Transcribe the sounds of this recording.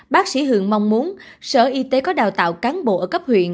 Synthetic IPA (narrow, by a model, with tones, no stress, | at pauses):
ɓaː˦˥k̚sḭ˧˩ɦɨ̰˧˨əŋma˧wŋ͡mmu˨˦ən | sə̰ː˧˩ʔi˧t̪e˨˦kɔ˨˦ɗaː˨˩wt̪a̰ː˧˨wkaː˨˦nɓo̰˧˨ʔəː˧˩kə˦˥p̚hwḭ˧˨ən